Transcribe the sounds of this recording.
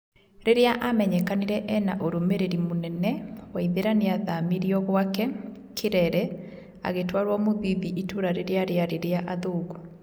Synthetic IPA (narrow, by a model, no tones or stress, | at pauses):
ɾeɾeaʔamɛɲɛkaniɾɛʔɛnaʔoɾomeɾeɾimonɛnɛwaiðeɾaneaðamiɾiɔɣwakɛ | kʰeɾɛɾɛ | a̰ɣetwaɾwamoðiðiʔitoɾaɾeɾeaɾeaɾeɾeaʔaðoːɣo